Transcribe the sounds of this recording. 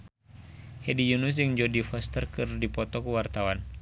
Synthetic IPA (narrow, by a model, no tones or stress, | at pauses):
hɛdijunus̬jɨŋd͡ʒodifɔst̪ərkɨrdipɔt̪ɔkəwart̪awan